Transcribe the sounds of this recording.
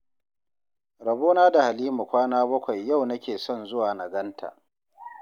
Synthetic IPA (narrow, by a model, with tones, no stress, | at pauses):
ɾɐ˨boː˦naː˦da˨ha˨liː˦mu˨kʷaː˦naː˦bɐ˦kʷa˨jːa˦˨wnɐ˦kʲeː˨sɔ˦˨nzʊ˦waː˨na˨ɡɐ˦ntʰa̰ː˨ʔ